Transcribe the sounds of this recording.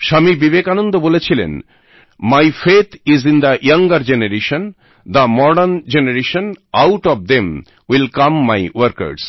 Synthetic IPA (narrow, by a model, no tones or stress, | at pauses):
ʃamibibekanõnd̪obolet͡ɕʰilḛn | majfet̪ʰizĩnd̪aʔjaŋɡaɾd͡ʑenaɾeʃən | d̪əmɔɖənd͡ʑenaɾeʃə̃nawʈɔvd̪ẽm | wilkamːajwəɾkɐ̰ɾs